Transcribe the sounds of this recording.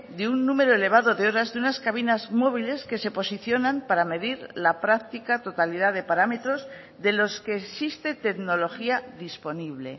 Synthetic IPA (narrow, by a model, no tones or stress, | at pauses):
d̪eunːũme̞ɾo̞ele̞β̞aðo̞ðe̞o̞ɾazðeunaskaβ̞inazmo̞β̞ile̞ske̞se̞po̞siθjo̞nampaɾame̞ðiɾlapɾak̚t̪ikat̪o̞t̪aliðaðe̞paɾame̞t̪ɾo̞z | ðe̞lo̞ske̞ːsist̪e̞t̪e̞ɡno̞lo̞xiaðispo̞niβle̞̰